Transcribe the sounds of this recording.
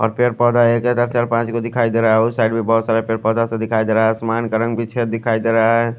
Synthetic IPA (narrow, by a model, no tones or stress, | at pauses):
ɔ̰ːɾpeɾpɔd̪ʱaekɦɛt̪əɾt͡ʃaːɾpãːt͡ʃkod̪ɪkʰaid̪eɾaɛʊsaɪɖbʱibɔɦt̪saːɾepeːɾpɔːd̪asẽd̪ɪkʰaːid̪eɾaɦɛsəmaːnkəɾə̃ŋbʱit͡ʃʰed̪ɪkʰaid̪eːɾaɛ